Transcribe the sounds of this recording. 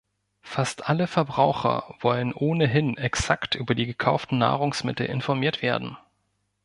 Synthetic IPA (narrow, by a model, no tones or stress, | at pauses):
fastʔaləfɛɐbʁaʊxɐ̰vɔlənʔoːnəɦɪnʔɛksaktʔyːbɐdiːɡəkʰaʊftn̩na̰ːʁʊŋsmɪtl̩ʔɪ̰nfɔɐmiːɐtv̥eːɐdn̩